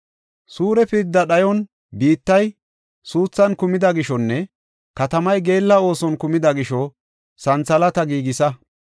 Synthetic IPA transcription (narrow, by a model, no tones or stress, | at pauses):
suːɾɛpɪɾd̪ːɐɗɐjɔn | biːt̪ːɐj | suːt͡sːɐnkʊmɪd̪ɐɡɪʃɔnːɛ | kɐt̪ɐmɐjɡe̞ːlːɐo̞ːsɔnkʊmɪd̪ɐɡɪʃɔ | sɐnt͡sɐlɐt̪ɐɡiːɡɪsɐ